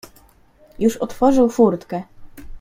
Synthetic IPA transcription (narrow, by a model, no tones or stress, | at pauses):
juʂɔt̪fɔʐɘwfuɾt̪kɛ